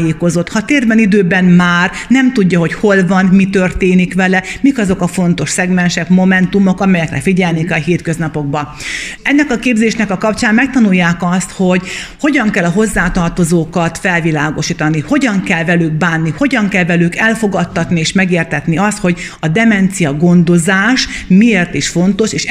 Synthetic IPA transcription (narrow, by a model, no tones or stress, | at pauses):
jeːko̞zo̞t̪hɒt̪eːrbɛnid̪øːbɛnmaːrnɛmt̪uɟːɒɦo̞cho̞lvɒnmit̪ørt̪eːnikʋɛlɛmikɒzo̞kɒfo̞n̪t̪o̞ʃsɛɡmɛnʃɛkmo̞mɛnt̪umo̞kɒmɛjɛkrɛ̰fiɟɛlnikɒɦeːt̪køznɒpo̞ɡ̚bɒɛnːɛkɒkeːbzeːʃnɛkɒkɒpt͡ʃaːmmɛk̚t̪ɒnujːaːkɒst̪ho̞ɟho̞ɟɒŋkɛlːɒɦo̞zːaːt̪ɒrt̪o̞zoːkɒt̪fɛlvilaːɡo̞ʃiːt̪ɒniho̞ɟɒŋkɛlvɛlyɡ̚baːnːiho̞ɟɒŋkɛlvɛlykɛlfo̞ɡɒt̪ːɒt̪nieːʃmɛɡeːrt̪ɛt̪niɒst̪ho̞ɟ | ɒd̪ɛmɛnt̪sijɒɡo̞nd̪o̞zaːʃmieːrt̪iʃfo̞nt̪o̞ʃeːʃ